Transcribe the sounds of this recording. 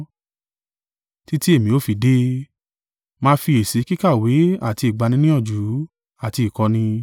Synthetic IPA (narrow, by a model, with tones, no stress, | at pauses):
ti˦ti˦e˦˨mĩ˨o˨˦fi˧de˦ | mãː˧fi˧e˨se˨˦ki˦ka˦˨we˨˦a˦˨ti˧i˨ɡ͡ba˧nĩ˧nĩ˦ɔ˦˨d͡ʒu˨˦ | a˦˨ti˧i˨kɔ˧nĩ˧